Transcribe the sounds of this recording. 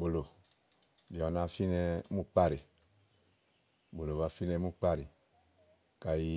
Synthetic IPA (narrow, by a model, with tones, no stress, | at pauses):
bo˨lo˨ | bi˨ɔ˨na˨fi˦nɛ˧mu˦k͡pa˦ɾi˨ | bo˨lo˨βa˨fi˦nɛ˧˦mu˦k͡pa˦ɾi˨ | ka˨ji˧